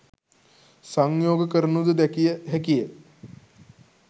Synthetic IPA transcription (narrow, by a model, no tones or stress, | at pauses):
səŋjoːɡkəɾnud̪d̪ɛkiɦɛkije